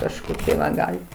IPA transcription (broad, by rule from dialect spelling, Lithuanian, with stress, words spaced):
kɐʃˈkoːkʲiɛ ʋɐ ˈɡɑːlʲɪt